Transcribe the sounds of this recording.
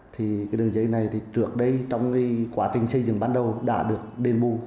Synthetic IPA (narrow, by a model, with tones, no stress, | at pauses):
t̪ʰi˨˩kaː˨˦jɗɨ˨˩əŋzə˨˦jna˨˩jt̪ʰi˨˩t͡ɕɨ˧˩ək̚ɗə˧jt͡ɕɔ˧wŋ͡mki˧˦kwaː˧˥t͡ɕï˨˩ŋ̟sə˧jzɨ̰˧˩ŋɓaː˧nɗə˨˩wɗa̰ː˧˥ɗɨ˨˩ək̚ɗe˧nɓu˧